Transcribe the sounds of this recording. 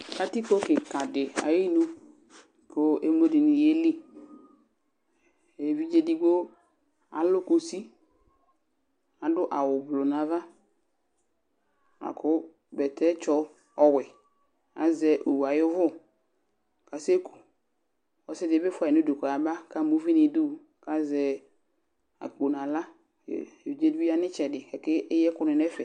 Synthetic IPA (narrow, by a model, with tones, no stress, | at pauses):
ka˨ti˦ko˦kɪ˨ka˨dɪ˨a̰˨ji˦nu˦˨ | ko˦e˦mo˦di˨ni˨je˦li˦ | e˨vi˦d͡ʒe˦di˦ɡo˦ | a̰˨lʊ˦ko˨si˦ | a˨dʊ˦ʔa˨wʊ˨blo˨na˨va˦ | a̰˨kʰʊ˦ | bɛ˨tʰɛ˦t͡ʃɔ˦ | ɔ˨wɛ˨ | a̰˨zɛ˨ʔo˨wa˨jʊ˦vʊ˦ | ka˨se˦kʰu̥˨ | ɔ˨sɛ˦dɪ˨˦bɪ˦fʊ˨no˦dʊ˨kɔ˨a˨ba˦ka˨mo˨˦vi˦nɪ˨dʊ˦˨ | ka˦zɛ˨ | a̰˨k͡po˨n˨ã˨la̰˦˨ | d͡ʒe˦di˦a˦nɪ˦t͡ʃɛ˨dɪ˨kɛ˨kɪ˦ɪ˦jɛ˦kʊ˦nɪ˨nɛ˦fɛ˨